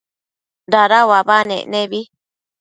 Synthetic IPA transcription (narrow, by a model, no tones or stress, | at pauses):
ɾaɾawaβanḛ̃nẽβi